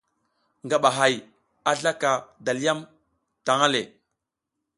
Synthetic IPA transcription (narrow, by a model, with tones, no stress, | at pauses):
ŋɡa˨ɓa˨ɦa˨j | a˦ɮa˦ka˨da˨li˦ja˦m | ta˨ŋa˦le˨